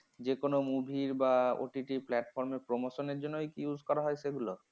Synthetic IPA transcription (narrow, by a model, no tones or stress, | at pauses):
d͡ʑekonomubʱiɾbao̰ʈiʈiplɛʈfʰɔɾmeɾpɾomoʃoneɾd͡ʑonːojkijud͡ʑʱkɔɾaɦɔeʃeɡulo